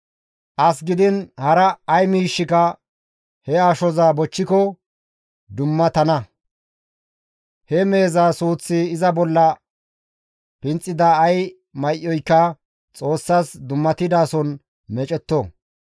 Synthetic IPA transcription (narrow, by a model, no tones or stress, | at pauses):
ʔɐs̬ɡɪd̪ɪnhɐɾɐːjmiːʃːɪkɐ | hɛaːʃɔzaːbɔt͡ʃːɪkɔ | d̪ʊmːɐt̪ɐnɐ | hɛme̞ːzaːsuːt͡sːɪːzɐbɔlːɐ | pɪnt͡sʼːɪd̪aːj | mɐjʔːɔjkːɐ | t͡sʼo̞ːsːaːsd̪ʊmːɐt̪ɪd̪aːsɔn | mɛt͡ʃʼɛt̪ːɔ